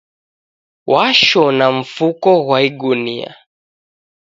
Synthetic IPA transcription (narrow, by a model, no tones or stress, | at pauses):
wʔaʃɔnaɱ̩fukɔɣwaiɡunḭa̰